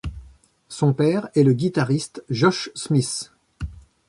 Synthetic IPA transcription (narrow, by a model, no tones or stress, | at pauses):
sɔ̃pɛːʁɛləɡʲit̪aʁist̪ʒɔʃsmis